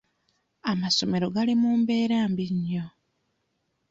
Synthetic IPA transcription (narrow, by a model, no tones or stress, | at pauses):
amaso̞me̞ɾo̞ɡalimuːmbe̞ːɾaːmbiɲːo